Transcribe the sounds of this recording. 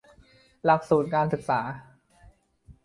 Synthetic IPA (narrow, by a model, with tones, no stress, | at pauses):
la˨˩k̚suː˨˩t̪̚kaː˧nsɯ˨˩k̚saː˩˦